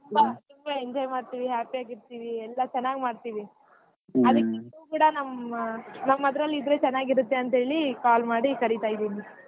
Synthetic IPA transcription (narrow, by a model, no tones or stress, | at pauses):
bɐt̪umbɐeɲd͡ʒaːjmaːɽt̪iːʋiɦaːpiaːɡiɾt̪iːʋiɛlːɐt͡ʃɛnːaːɡmaːɽɖt̪iːʋi | ɐd̪ɐkːind̪uːkuːɽɐnɐmː | nɐmːɐd̪ɾɐlːid̪ɾeːt͡ʃɛnːaːɡiɾut̪ːeɐnt̪ɐɦeːɭikaːlmaːɽikɐɾit̪aːjd̪iːni